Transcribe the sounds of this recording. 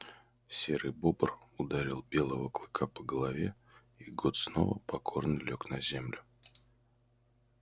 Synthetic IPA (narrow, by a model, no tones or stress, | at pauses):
sʲeɾɨjbobərʊd̪aɾʲilˠbʲe̞lˠəvəklˠɨkʰapəɡəlˠɐvʲe | iɡot̪sno̞̰və̰pɐkʰo̞rnɨlʲoknɐzʲemlʲʊ